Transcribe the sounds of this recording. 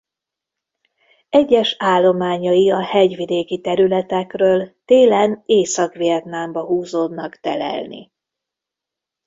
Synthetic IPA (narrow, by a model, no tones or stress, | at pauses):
ɛɟːɛʃaːlːo̞maːɲɒjiɒhɛɟʋid̪eːkit̪ɛɾylɛt̪ɛkrøːlt̪eːlɛneːsɒkʋiɛt̪nambɒɦuːzoːd̪nɒkt̪ɛlɛ̰lnḭ